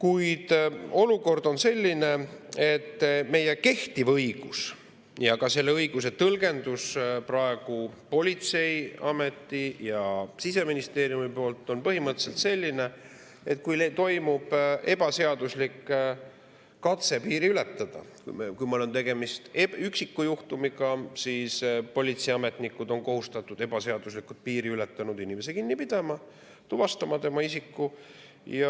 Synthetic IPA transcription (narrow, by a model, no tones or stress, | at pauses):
kujd̪̥o̞luko̞rd̪o̞nse̞lʲːine̞e̞t̪ːme̞jeke̞ht̪ivɤjɡ̥us | jɑkɑse̞lːe̞ɤjɡ̥us̬e̞t̪ɤlɡe̞nd̪usprɑe̞ɡ̥upo̞lʲit̪se̞jɑme̞t̪ːijɑsise̞minist̪e̞ːɾjumipo̞ːlt̪ːˑo̞npɤɦimɤt̪ːˑse̞lt̪se̞lʲːine̞ | e̞t̪̚ːˑkujlet̪o̞jmub̥e̞b̥ɑse̞ɑd̪uslikː | ɑt̪se̞piːɾiyle̞t̪ːˑɑd̪̥ɑ̰kṵkujmolo̞nt̪e̞ɡ̥e̞mist̪eyksikːujuht̪umiɡɑsiːspo̞lʲit̪siɑme̞t̪nikːˑud̪o̞nko̞ɦust̪ɑt̪ːˑud̪e̞b̥ɑse̞ɑd̪uslikːˑut̪̚piːɾiyle̞t̪ːˑɑnud̪inʲimes̬ekinːipid̪̥ɑmɑ | t̪uvɑst̪ɑmɑt̪e̞mɑisikːu | jɑ